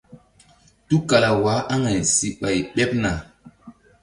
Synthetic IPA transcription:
tu˦ka˨la˨wa˨˦ʔa˦ŋa˨jsi˨ɓa˨jɓɛ˦p̚na˨

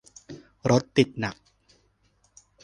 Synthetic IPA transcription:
ɾo˦˥t̪ːi˨˩t̪̚na˨˩k̚

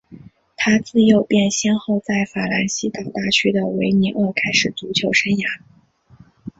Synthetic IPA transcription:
t̪ʰa˥t͡sɹ̩˥˧jo˥˩ʊpjɛ˥˩nɕjɛ˥nxo˥˧ʊt͡sa˥˩ɪfa˨˩la˧˥nɕi˥t̪ɑ˨˩ʊt̪a˥˩t͡ɕʰy˥d̪ə˨we˧˥ɪmi˧˥ŋə˥˩kʰa˥ɪʂɻ̩˨˩t͡su˧˥t͡ɕʰjo˧˥ʊʂə˥nja˧˥

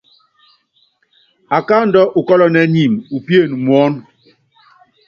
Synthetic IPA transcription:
a˨ka˦n̩˦dɔ˦ʔu˨kɔ˦lɔ˦nɛ˦ɲi˨mu˨pje˦˨nu˨mwɔ˨˦n

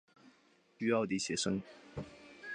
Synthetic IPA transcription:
y˥ɑ˥˩ʊd̪i˧˩ɕjɛ˨˧˥ʂə˥ŋ

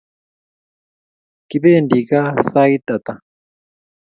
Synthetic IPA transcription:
ki˦βeː˦˨ndi˨ka˦sa˦i˦ta˨ta˨

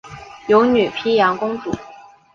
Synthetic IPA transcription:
jo˧˥ʊny˨˩pʰi˥jɑ˧˥ŋkʊ˥ŋt͡sṵ˨˩˦

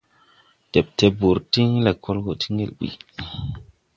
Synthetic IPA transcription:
d̥e˨p̚te˦bu˨ɾti˦ŋ˦le˨kʰo˦lɡo˨tʰi̥˦ŋe˦lɓḭ˨

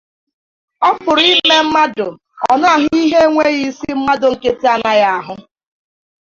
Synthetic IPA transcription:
ɔ˦pʊ˨ɾi˦le˦m̩˦ma˦dʊ˨ | ɔ˨na˦˨ɦʊ˦i˦ɦe˦ŋʷe˦ɣi˦si˦m̩˦ma˦dʊ˨ŋ̩˨ke˦te˦a˨na˦ja˦a˨ɦʊ˦

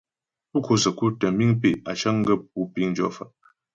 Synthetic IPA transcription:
pu˦kʰo˦sə˨ku˦tə˨m˦bi˦ŋpe˦˨a˨t͡ʃə˦ŋ̩˦ɡə˦˨p̚u˦pi˦ŋ˦d͡ʒɔ̰˦˨fa̰˨ʔ

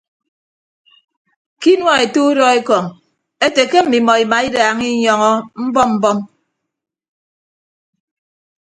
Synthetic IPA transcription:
ki˦nwa˦˨e˨tu˦u˦dɔ˦e˦kɔ˨ŋ | e˦te˨ke˦m̩˨mi˨mɔ˨i˨ma˨i˦daː˨ŋi˦ɲɔ˦ŋɔ˦m̩˦bɔ˦mm̩˦bɔ˦m

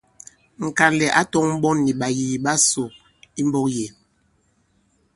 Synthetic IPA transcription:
ŋ̩˨ka˨lɛ˨ʔa˦tɔ˦ŋm̩˦ɓɔ˦nːi˨ɓa˨ji˨ɓa˦so˨ | i˦m˦bɔ˦k̚je˨

